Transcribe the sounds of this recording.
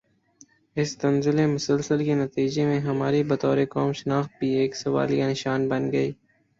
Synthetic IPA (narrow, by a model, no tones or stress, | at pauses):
ɪst̪ɐnzɪlemʊsəlsəlkenɐt̪iːd͡ʒemẽɦɐmaːɾibɐt̪ɔːɾekɔːmʃɪnaːxt̪̚bʱieːksɐʋa̰ːlijanɪʃaːnbɐnɡɐiː